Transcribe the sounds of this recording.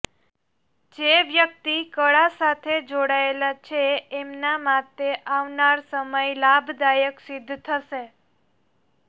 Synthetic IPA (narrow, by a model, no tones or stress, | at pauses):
d͡ʒeʋjək̚t̪ikəɭasat̪ʰed͡ʒoɽaelat͡ʃʰeːmnamat̪eʔaʋnaɾsəməjlabʱd̪ajəksɪd̪ʱːt̪ʰəʃe